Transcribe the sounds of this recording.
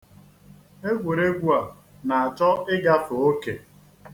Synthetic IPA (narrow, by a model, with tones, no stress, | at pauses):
e˦ɡʷu˨ɾe˦ɡʷu˦a˨ | na˨a˨t͡ʃɔ˦ɪ˦ɡa˦fʊ˨o˦ke˨